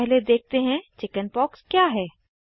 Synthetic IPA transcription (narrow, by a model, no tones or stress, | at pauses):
ɛɦled̪eːk̚t̪eɦɛ̃t͡ʃɪkənpɔːkskjaːɦɛː